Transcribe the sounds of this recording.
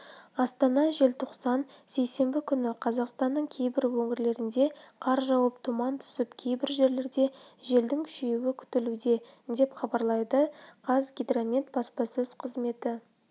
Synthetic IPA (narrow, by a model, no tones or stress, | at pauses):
ɑst̪ɑnɑʒe̞lt̪ʰoqsɑnse̞jse̞mbɪkʲʰʏnɪqʰɑzɑqst̪ɑnːəɴkʲʰe̞jbɪɾwɵŋʲɪɾle̞ɾɪnd̪e̞qʰɑɾʒɑwɑpt̪ʰumɑnt̪ʰʏ̥sɪpkʲʰe̞jbɪɾʒe̞ɾle̞ɾd̪e̞ʒe̞ld̪ɪŋkʲʰʏ̥ʃeuwɪkʲʰʏ̥t̪ɪlud̪e̞ | d̪e̞pχɑbɑɾlˠɑjd̪əqʰɑzɡʲid̪ramʲet̪̚bɑspɑsɵzqʰəzme̞t̪ɪ